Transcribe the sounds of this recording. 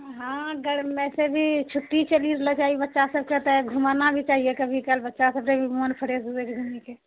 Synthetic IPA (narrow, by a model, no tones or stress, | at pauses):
ɦãɡəɽɛsebʱit͡ʃʰuʈːit͡ʃəliɾlət͡ʃaɦibətːʃasəb̚ket̪əɡʱumanabʱit͡ʃaːɦiekəbʱikəlbətːʃasəb̚ɾebʱimonpʰəɽesuzeɾɡʱunike